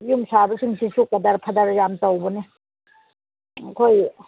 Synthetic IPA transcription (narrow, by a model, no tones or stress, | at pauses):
jumsabasʰiŋsʰisukːadaɾpʰadaɾjamtɔwbɔni | kʰoj